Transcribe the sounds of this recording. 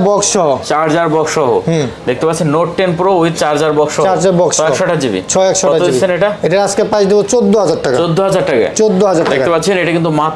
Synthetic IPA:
bɔkːɔɦot͡ɕaɾd͡ʑaɾbɔkʃɔɦo̰ɦĩd̪ek̚t̪epatːt͡ɕʰenːoʈʈenpɾouit̪t͡ɕaɾd͡ʑaɾbɔkʃɔɦaɾd͡ʑaɾbɔkʃɔɛkʃɔʈad͡ʑibḭt͡ɕʰɔɛkʃɔɔaiebieneʈaeʈaɾaskepãsd̪ebot͡ɕod̪ːoɦad͡ʑaɾʈakaod̪ʱːoɦad͡ʑaɾʈaka̰t͡ɕod̪ʱːoɦad͡ʑaɾʈ̪ekaepaɾt͡ɕʰeneʈakint̪umat̪

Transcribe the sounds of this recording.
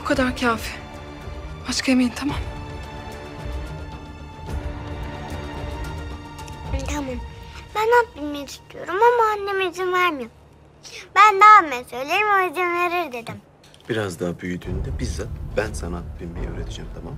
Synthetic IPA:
bukʰad̪aɾcʰaːfɛ | bat͡ʃkʰaemejint̪ʰamam | t̪ʰamambænat̪̚bilʲmejt͡ʃi̥st̪ʰyjo̞ɾumamuanːemid͡ʒinvæɾmɯjom | bænd̪aːmesø̞jlʲeɾimaezinveɾiɾd̪e̞d̪im | b̥iɾazd̪aːabyjyd̪yːnd̪ɛbizzat̪̚bænsanaat̪̚bilʲmejɛ̰øːɾe̞t̪ʰid͡ʒɛmt̪ʰamam

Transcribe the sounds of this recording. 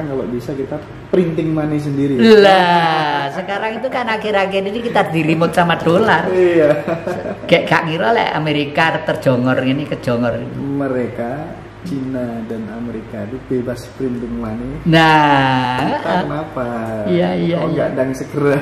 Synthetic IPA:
ŋkalo̰ʔbisakit̪a | pɾint̪ɪŋmanɪs̬əndiɾila | səkaɾaŋit̪ukanakɪɾakɛd͡ʒidikit̪adiɾimʊt̪̚samad̥olarija | kɛʔɡa̰ʔŋiɾolɛ̰ʔa̰meɾikat̪ər̥d͡ʒ̥ɔŋɔrinikə̥d͡ʒ̥ɔŋɔrinməɾeka | t͡ʃinadanameɾikait̪ub̥ebaspəɾint̪ɪŋmanɪna | t̪aənapaijaijaɡa̰ʔdaŋsəɡ̥əɾa

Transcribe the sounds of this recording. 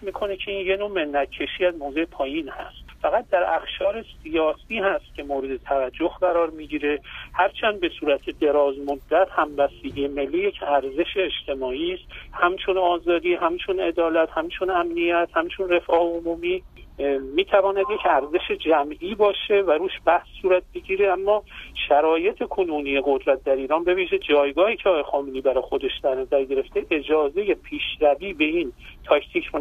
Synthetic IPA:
emiːkʰo̞ne̞cʰe̞inje̞no̞ːme̞nːæt̪̚cʰːe̞ʃiːæzmoːze̞epʰɒːjinhæ̰st̪fæɣæt̪̚d̪æɾæxʃɒːɾe̞sijɒːsiːhæst̪̚cʰʲe̞moːɾe̞d̪e̞t̪ʰævæd͡ʒːohɢæɾɒːɾmiːɟiːɾe̞hæɾt͡ʃʰænd̪̚be̞suːɾæt̪ʰed̪e̞ɾɒːzmod̪ːæt̪ʰhæmbæsiɟijeme̞lːiːje̞cʰæɾze̞ʃeːʃt̪ʰe̞mɒːiːst̪hæmt͡ʃʰonɒːzɒːd̪iːɦæmt͡ʃʰone̞d̪ɒːlæt̪hæmt͡ʃʰonæmnijæt̪hæmt͡ʃʰonre̞fɒːheomuːmiː | miːt̪ʰævɒːnæd̪jecʰæɾze̞ʃe̞d͡ʒæmʔiːbɒːʃe̞væɾuːʃb̥æhsːuːɾæt̪̚beɟiːɾe̞æmːɒːʃæɾɒːje̞t̪ʰe̞kʰonuːniːjeɣod̪ɾæt̪̚d̪æɾiːɾɒːnbe̞viːʒed͡ʒɒːjɡɒːhiːcʰeɒːɑjexɒːmeniːbæɾɒːjxod̪e̞ʃd̪̥æɾnæzæɾɟe̞ɾe̞ft̪e̞ʔe̞d͡ʒɒːze̞je̞pʰiːʃɾæviːbe̞int̪ʰɒcʰt̪ʰiːcʰo

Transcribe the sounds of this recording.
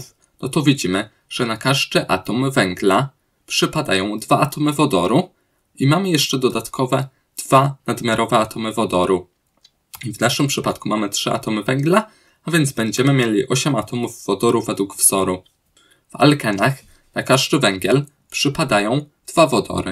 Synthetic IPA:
f | nɔt̪ɔvʲid͡ʑimɘ | ʐ̥ɛnakaʐd̪ɘʔa̰t̪ɔmvɛŋɡla | pʂɘpad̪ajɔ̃w̃d̪vaʔat̪ɔmɘvɔd̪ɔ̰ɾu | imamɘjɛʂt͡ʂɛd̪ɔd̪at̪kʰɔvɛ | d̪̥vanad̪mʲjaɾʔɔvɛat̪ʰɔmɘvɔd̪ɔɾu | vnaʂɘmpʂɘpat̪kumamɘtʂɘʔa̰t̪ɔmɘvɛŋɡla | avʲjɛnd̪zbɛɲd͡ʑɛmɘmʲjelʲiʔɔɕɛmat̪ɔmuvːɔd̪ɔɾuvɛd̪wuɡvz̥ɔɾu | va̰lkɛnax | nakaʐd̪ɘvɛŋɡʲjɛl | pʂɘpad̪ajɔ̃w̃d̪̥vavɔd̪ɔ̰ɾɘ̰

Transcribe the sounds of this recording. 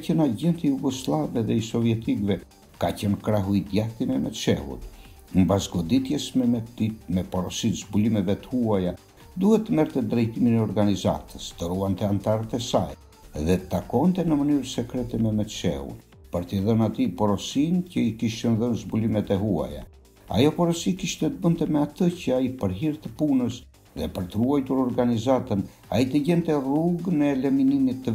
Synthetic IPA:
cənaɟɛnt̪ijuɡɔslˠavɛðɛisɔvjɛt̪ikvɛ | kacənkɾaɦuid̪jaθimɛmɛt̪ʃɛ̰hṵt̪ | mbazɡɔd̪it̪jɛsmɛɛimɛpɔɾɔsit̪zbulimɛvɛt̪ə̥huaja | d̪uhɛtt̪ːəmɛɾt̪ɛd̪ɾɛjt̪iminɛɔɾɡaniza̰t̪ʰəst̪əɾuant̪ɛant̪aɾət̪ɛsa̰j | ðɛt̪akɔnt̪ɛnəmənyɾsɛkɾɛt̪ɛmɛmɛʃɛ̰ṵn | pəɾt̪iðənat̪ipɔɾɔsincəikiʃənðənzbulimɛt̪ɛɦua̰ja̰ | a̰jɔpɔɾəsikiʃt̪ɛt̪əbənt̪ɛmɛat̪əcəaipəɾɦiɾt̪əpunəs | ðɛpəɾt̪əɾuajt̪uɾɔɾɡanizat̪ən | ait̪əɟɛnt̪ɛruɡnɛːlɛminimit̪ːə

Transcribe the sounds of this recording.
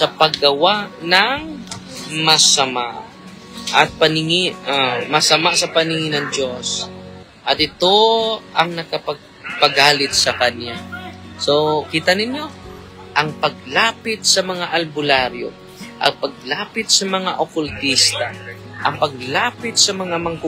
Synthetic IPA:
sɐpɐɡɐwaʔnɐŋ | mɐsɐma̰ʔ | ʔɐt̪̚pɐnɪŋɪʔamɐsɐmasɐpɐnɪŋinɐŋd͡ʒos | ʔɐt̪ɪt̪o̞ʔɐŋnɐkɐpɐɡ̚ | pɐɡaːlɪt̪̚sɐkɐnjasokiːt̪ɐnɪnjo̞ | ʔɐŋpɐɡ̚laːpɪt̪̚sɐmɐŋaʔɐlbʊlaɾjo̰ | ʔɐ̰ŋpɐɡ̚laːpɪt̪̚sɐmɐŋaʔokʊlt̪ist̪a | ʔɐŋpɐɡ̚laːpɪt̪̚sɐmɐŋamɐŋkʊ

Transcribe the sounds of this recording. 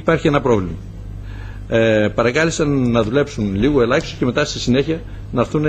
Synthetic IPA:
pɐɾçie̞nɐpɾo̞vlimɐ | pɐɾɐkɐlisɐnːɐðule̞psunliɣo̞e̞lɐçso̥ce̞met̪ɐst̪isine̞çiɐ | nɐɾθun

